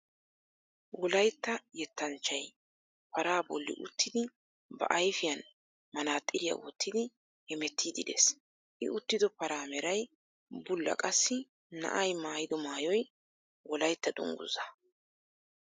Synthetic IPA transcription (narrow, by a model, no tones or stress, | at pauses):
wɔlɐjt̪ːɐjɛt̪ːɐnt͡ʃːɐj | pɐɾaːbɔlːɪ̰ʔʊt̪ːɪd̪ɪ | bɐ̰ʔɐjfɪjɐn | mɐnaːt̪ʼːɪɾɪjɐ̰wɔ̰t̪ːɪd̪ɪ | hɛmɛt̪ʰːiːd̪ɪd̪ḛːs | ʔɪ̰ʔʊt̪ːɪd̪ɔpɐɾaːmɛɾɐj | bʊlːɐ̰kʼɐsːɪ | nɐ̰ʔɐjmaːjɪd̪ɔmaːjɔj | wɔlɐjt̪ːɐd̪ʊ̰ŋɡʊ̰zɐ